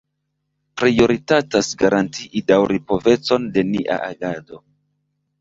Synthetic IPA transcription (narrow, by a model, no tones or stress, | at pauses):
pɾijo̞ɾitatasɡaɾantiʔidawɾipo̞ve̞t͡so̞nde̞niʔa̰ʔaɡado̞